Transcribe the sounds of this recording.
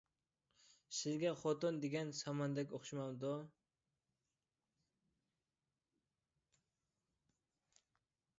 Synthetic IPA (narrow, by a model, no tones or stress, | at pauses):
sɪzɡʲɛχɔt̪ʊnd̪eɡʲɛnsɑmɑnd̪ɛkʲoχʃimɑmd̪ʊ